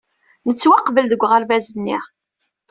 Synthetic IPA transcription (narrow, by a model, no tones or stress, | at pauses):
nət͡sːwaqːvəld̪əɡʷːʁəɾvæzənːḭʁ